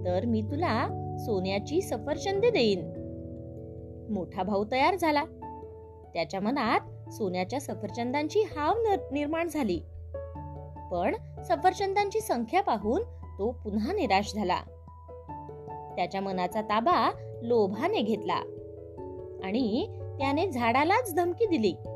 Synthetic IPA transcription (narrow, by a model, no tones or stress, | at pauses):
t̪əɾmiːt̪ulasonjat͡ɕiːsəfəɾt͡ɕənd̪ed̪eiːn | moʈʰabʱaut̪əjaɾd͡zʱala | t̪jat͡ɕjamənat̪̚ | sonjat͡ɕjasəfəɾt͡ɕənd̪aɲt͡ɕiːhaʋnniɾmaɳd͡zʱaliː | pəɳ | sə̃fəɾt͡ɕənd̪aɲt͡ɕiːsəŋkʰjapaɦuːnt̪opunaniɾaɕd͡zʱala̰ | t̪jat͡ɕjamənat͡sat̪abalobʱaneɡʱet̪la̰ | aɽ̃it̪janed͡zʱaɽalat͡sd̪ʱəmkiːd̪iliː